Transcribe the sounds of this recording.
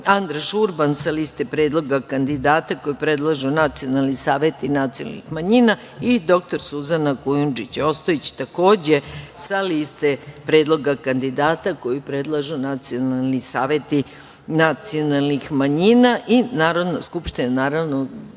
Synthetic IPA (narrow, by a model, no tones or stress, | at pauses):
and̪ɾaʃuɾbansaliːst̪epɾe̞ːd̪lˠo̞ɡakand̪id̪aːt̪ako̞jipɾe̞d̪lˠaʒunat̪sijonalˠnisaːʋjet̪inat̪sijona̰lnḭxmaɲina | id̪o̞k̚t̪o̞ɾsuzanakujund͡ʒit͡ɕo̞st̪ojet͡ɕi̥t̪ako̞ːd͡ʑesaliːst̪epɾe̞ːd̪lˠo̞ɡakand̪id̪aːt̪ako̞jipɾe̞d̪lˠaʒunat̪sio̞nalˠnisaːʋe̞t̪i | nat̪sio̞nalˠnixmaɲinaʔinaːɾo̞d̪naskupʃt̪inanaːɾaʋno̞